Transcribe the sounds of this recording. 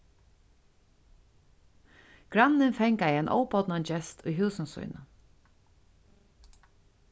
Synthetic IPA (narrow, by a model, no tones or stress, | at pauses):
ɡ̥ɾanːɪnfɛŋkaiɛnʔɔ̰wpɔt̪nant͡ʃɛst̪ʰʊjɦʉːsɪnsṵjnʊ